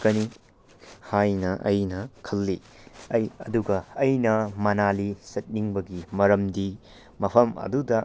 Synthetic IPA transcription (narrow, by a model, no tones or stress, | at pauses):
kɐni | hajnɐʔɐjnɐkʰɐlːi | ɐjɐduɡɐːjnɐmɐnalisɐt̚niŋbɐɡimɐɾɐmdi | mɐpʰɐmɐ̰dudɐ